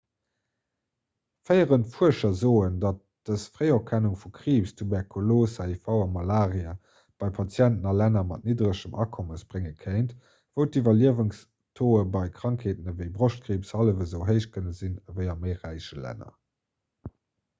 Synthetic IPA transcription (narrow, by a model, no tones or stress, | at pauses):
fəɪəʁəntfuəʃɐzoːəndɑt̚d̥əsfʁəɪokʰænuŋfukʁiːpstʰubɛʁkʰoloːsaːifɑʊɑmɑlaːʁiə | b̥ɑɪpʰɑt͡sjæntənɑlænɐmɑ̰t̚niːdʁəʃəmʔɑ̰ːkʰoməsb̥ʁeŋəkʰəɪnt | v̥əʊtivɐliəvuŋs | tʰoːəbɑɪkʁ̥ɑŋkʰeːtənəvəɪbʁoʃt̚kʁiːpshɑləvəzəʊɦəɪʃkʰənəzinvɜɪɐməɪʁæɪʃəlæ̰nɐ̰